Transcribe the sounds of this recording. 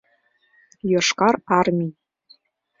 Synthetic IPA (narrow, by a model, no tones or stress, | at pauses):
joʃkɑɾɑrmʲi